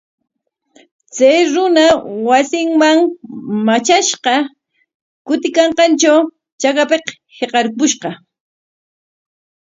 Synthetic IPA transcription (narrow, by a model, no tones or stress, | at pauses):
t͡sajɾʊnawasɪŋmaŋmat͡ʃaʃqɑ | kʊt̪ɪkɑɴqɑnt͡ʃaw | t͡ʃakapeq | heqɑɾkʊʃqɑ